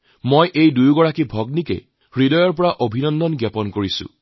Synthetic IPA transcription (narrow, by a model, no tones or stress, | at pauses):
mojʔejdujɡɔɹakibʱɔɡnikḛ | ɹidɔjɔɹpɔɹaʔobʱinɔnd̪ɔnɡjapɔnkoɹisṵ̃